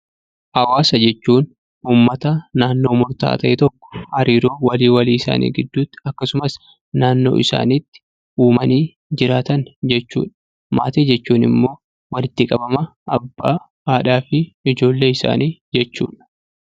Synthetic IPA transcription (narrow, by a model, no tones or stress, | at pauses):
ʔɐwaːsɐd͡ʒɛt͡ʃːuːn | uːmːɐt̪ɐnaːnːo̞ːmʊɾt̪a̰ːt̪ɐʔɛt̪ɔkːɔ̥hɐɾiːɾoːwɐliːwɐliːɪsa̰ːnʔḭːɡɪd̪ːuːt̪ːɐkːɐsʊmɐs | naːnːo̞̰ːʔɪsa̰ːniːt̪ːɪ̥ | uːmɐniː | d͡ʒɪɾaːt̪ɐnd͡ʒɛt͡ʃːṵːᶑɐ | ma̰ːt̪eːd͡ʒɛt͡ʃːuːnɪ̰mːo̞ː | wɐlɪt̪ːɪkʼɐbɐmɐːbːa̰ː | aːᶑaːfɪɪd͡ʒo̞ːlːe̞ːɪsa̰ːniːd͡ʒɛt͡ʃːṵːᶑɐ̥